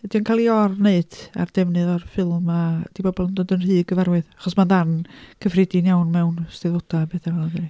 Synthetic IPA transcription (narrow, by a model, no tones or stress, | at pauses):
ɛd̥iənkʰalˠiɔrneɨd̥a̰rd̥ɛvnɨðɔrfɪlˠmad̥ibɔbɔlˠəndoːdənr̥ɨːɡəvaɾwɨðaχɔsmanðankʰəfrɪdinjawnmɛwnstɛðvɔdabeːθavalˠaðɨni